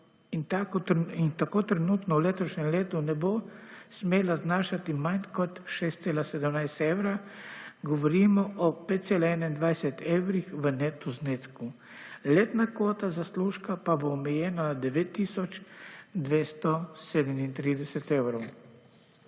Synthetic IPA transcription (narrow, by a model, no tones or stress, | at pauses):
int̪aint̪akoːt̪ɾɛnuːt̪nɔwleːt̪ɔʃnɛmleːt̪unɛbosmeːlaznaːʃat̪imankɔt̪ʃeːst̪seːlasɛd̪əmnajst̪ewɾaɡɔʋɔɾimɔʔɔpeːt̪t̪selaɛnaind̪ʋajsɛt̪eːwɾixʋənɛt̪uzneːt̪sku | leːt̪nakʋoːt̪azasluːʃkapaboːmɛjɛːnaad̪ɛʋeːt̪ːiːsɔt͡ʃd̪ʋeːst̪ɔseːd̪ɛmint̪ɾiːd̪ɛsɛt̪ewɾɔw